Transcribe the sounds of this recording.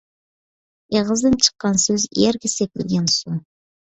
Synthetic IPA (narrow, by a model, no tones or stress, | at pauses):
eʁəzd̪ɨnt͡ʃʰə̥qːɑnsɵzjeɾkʲɪsek̚ʲɪlɡʲensu